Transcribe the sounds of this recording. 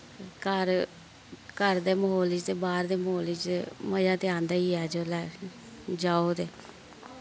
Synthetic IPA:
kəɾ | kəɾd̪eːməɦoːlɪt͡ʃt̪eːbaːɾd̪eːmɦoːlɪt͡ʃeməd͡ʒãːt̪eːãːnd̪aːiːɛːd͡ʒoːlɛː | d͡ʒaːoːt̪eː

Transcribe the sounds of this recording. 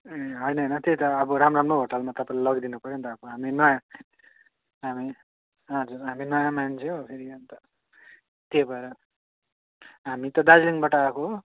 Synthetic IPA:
eɦʌjnʌjnʌt̪et̪ʌːbʌɾamramroɦoʈalmat̪ʌpãlalʌɡd̪inupʌɾjent̪ʌːbʌɦaminʌjã | ɦami | ɦʌd͡zuɾɦaminʌjãmant͡sʰeopʰeɾiant̪ʌ | t̪ebʱʌeɾʌ | ɦamit̪ʌd̪ad͡zliŋbʌʈakoɦ

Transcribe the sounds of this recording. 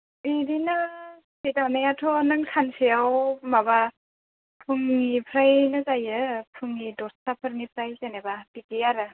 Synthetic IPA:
iɾinɯ | sidanejatʰɔnɯŋkʰansijawmaba | pʰuŋnipʰɾajnɯzajɯpʰɯŋːidɔstapʰɯɾnipʰɾajzenebabikijaɾɯ

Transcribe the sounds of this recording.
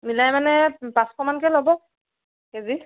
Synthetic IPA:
milajmanɛpaskɔmankɛlɔbɔ | kezi

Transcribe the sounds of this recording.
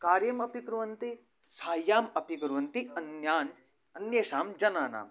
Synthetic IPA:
kaːɾjɐmɐpikɾuʋɐnt̪i | saːjaːmɐpikɾuʋɐnt̪iɐnjaːn | ɐnjeːsaːmd͡ʒɐnaːna̰ːm

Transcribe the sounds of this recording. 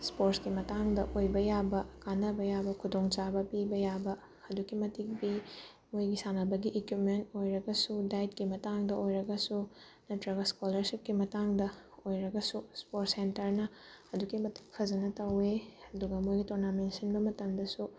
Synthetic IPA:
spoɾskimɐtaŋdɐʔojbɐjabɐkanɐbɐjabɐkʰudoŋt͡ʃabɐpibɐjabɐ | ɐdukːimɐtik̚bi | mojɡisanɐbɐɡiʔekwipmentojɾɐɡɐsudajt̚kimɐtaŋdɐʔojɾɐɡɐsu | nɐtɾɐɡɐskolɐɾsip̚kimɐtaŋdɐ | ojɾɐɡɐsuspoɾsentɐɾnɐ | ɐdukːimɐti̥k̚pʰɐzɐnɐtɐweɐduɡɐmojɡitoɾnamensɐnbɐmɐtɐmdɐsu

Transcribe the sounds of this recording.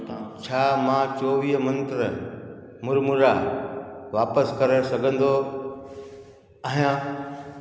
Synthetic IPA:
t͡ɕʰaːmãːt͡ɕoːʋiːɦmɐ̃nt̪ɾə | mʊɾmʊɾa | ʋaːpəskɐɾesɐɡʱə̃nd̪o | aɦijã

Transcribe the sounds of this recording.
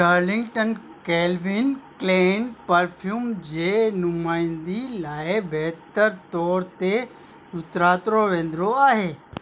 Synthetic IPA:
əɾlɪ̃ŋɡʈən | kɛːlʋɪnkleːnpɐɾpʰjuːmd͡ʑeːnʊmaːɪ̃nd̪ilaːebɛɦt̪əɾt̪ɔːɾt̪e | ʊt̪ɾaːt̪ɾoʋẽːnd̪ɾoaːɦeː

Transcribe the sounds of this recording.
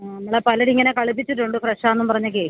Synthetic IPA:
nnɐmːuɭepɐlɐɽiŋːɐnekɐɭip̬ːit͡ɕːiʈːuɳɖɨfreʂaːenːumpɐrɐɲːɐke

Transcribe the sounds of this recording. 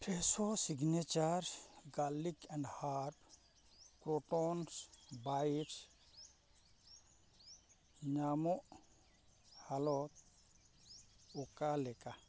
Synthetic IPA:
pɾesosiɡnet͡ʃaɾɡalikɛ̃ɳɖhaɾp | kɾoʈɔnsbaʈ | ɲamoʔ | halɔt̪̚ | okalɛka

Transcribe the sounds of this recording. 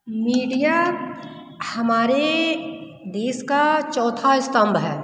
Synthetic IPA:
miːɖija | həmaːɾe | d̪eːskat͡ʃɔːt̪ʰaɪst̪əmbʱɦɛː

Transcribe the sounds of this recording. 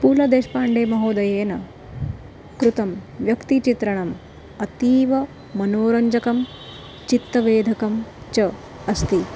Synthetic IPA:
puːlɐd̪eːʃpaːɳɖeːmɐɦoːd̪ɐjeːnɐ | kɾut̪ɐmʋjɐkt̪it͡ʃit̪ɾɐɳɐm | ɐt̪iːʋɐ | mɐnoːɾɐɲd͡ʒɐkɐm | t͡ʃit̪ːɐʋeːd̪ʱɐkɐmt͡ʃɐ | ɐst̪i

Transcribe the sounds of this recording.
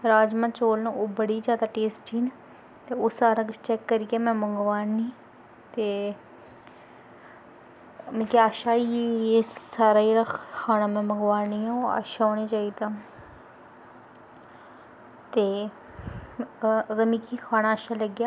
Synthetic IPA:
ɾaːd͡ʒmãːt͡ʃoːlnaoːbəɽiːd͡ʒjaːd̪aːʈeːsʈd͡ʒiːn | t̪eːoːsaːɾãt͡ʃɛːkːəɾɪɡaːmɛ̃ːməŋɡʋaːnːiː | t̪eː | mɛ̃ːkːaːʃaːiesaːɾaːd͡ʒeːɽakʰaːnaːmɛ̃ːməŋɡʋaːniːãːoːa̰ːʃaːoːneːt͡ʃaːiːd̪ãː | t̪eː | ɡəmiːkiːkʰaːnaːʃaːləɡjaː

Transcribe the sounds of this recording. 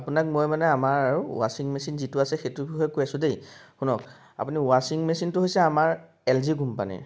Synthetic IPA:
apunak̚mojmanɛamaɹaṵwasiŋmesinzitʊasɛxetubʱixɔjkojasʊ̃dejxunɔk | a̰puniwasiŋmesintʊɦojsɛamaɹ | ɛlziɡumpa̰nɛ̰

